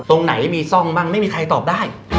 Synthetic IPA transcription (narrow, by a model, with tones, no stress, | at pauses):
t̪o˧ŋna˩˦jmiː˧sɔ˥˩ŋma˥˩ŋma˥˩jmiː˧kʰɾa˧jt̪ɔː˨˩p̚daː˥˩j